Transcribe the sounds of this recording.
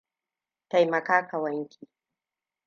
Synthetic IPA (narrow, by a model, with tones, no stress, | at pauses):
ta˨jmɐ˨kaː˦kɐ˨wɐ˦ŋkʲi˨